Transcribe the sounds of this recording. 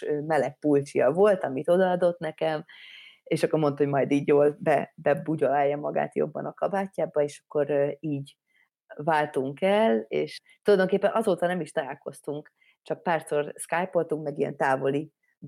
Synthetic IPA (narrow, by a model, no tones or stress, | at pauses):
øːmɛlɛk̚pult͡ʃijɒvo̞lt̪ɒmit̪o̞d̪ɒɒd̪o̞t̪nɛkɛm | eːʃɒkːo̞rmont̪homɒjd̪iːɟjoːlbɛbɛbuɟolaːjːɒmɒɡa̰ːt̪jo̰bːɒ̰nɒkɒbaːcːaːbɒeːʃɒ̥kːo̞ɾiːɟ | vaːlt̪uŋkɛlḛːʃt̪olɒjd̪oŋkeːpːɛnʔɒzoːt̪ɒnɛmiʃt̪ɒlaːlko̞st̪uŋk | t͡ʃɒk̚paːrso̞rskajpo̞lt̪uŋkmɛɡijɛ̰nt̪aːvo̞li